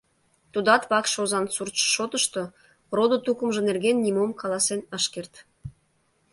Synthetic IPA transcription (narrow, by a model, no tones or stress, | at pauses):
t̪ud̪ɑt̪βɑkʃozɑnsurt̪ʃə̥ʃot̪əʃt̪o | rod̪ŏt̪ukəmʒə̆nerɣenːimomkɑlˠɑsenəʃkert̪